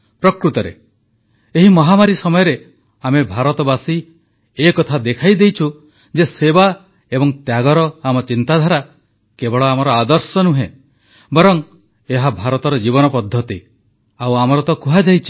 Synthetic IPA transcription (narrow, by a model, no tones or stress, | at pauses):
pɾɔkɾut̪ɔɾḛ | eɦimɔɦamaɾisɔmɔjɔɾe | amebʱaɾɔt̪ɔbasi | ekɔt̪ʰad̪ekʰajd̪ejt͡ʃʰu | d͡ʒeseba | ebɔŋt̪jaɡɔɾɔamɔt͡ʃint̪ad̪ʱaɾa | kebɔɭɔamɔɾɔad̪ɔɾsɔnuɦḛ̃ | bɔɾɔŋ | eɦabʱaɾɔt̪ɔɾɔd͡ʒiβɔnɔpɔd̪ʱːɔt̪i | awamɔɾɔt̪ɔkuɦad͡ʒajt͡ʃʰi̥